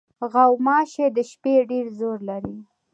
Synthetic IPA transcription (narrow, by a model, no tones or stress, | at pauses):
ɣawmɑʃed̪əʃpeɖeɾzoɾlaɾi